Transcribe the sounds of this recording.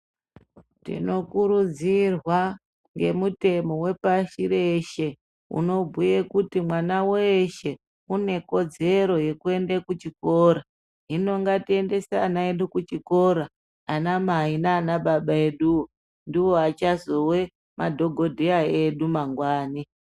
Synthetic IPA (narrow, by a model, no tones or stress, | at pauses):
tḭno̞kuɾud͡zirwa | ŋɡe̞̰mute̞mo̞we̞paʃiɾeʃe̞ | ṵno̞bʱujekutimwanaweʃe̞ | une̞ko̞d͡ze̞ɾo̞je̞kue̞ndekut͡ʃiko̞ɾa | ɦino̞ŋɡatie̞nde̞sanaeɗukut͡ʃiko̞ɾaː | namainaːnaɓaɓae̞ɗu | ndiwo̞at͡ʃazowe̞ | madʱo̞ɡʱo̞dʱeae̞ɗumaŋɡwaːni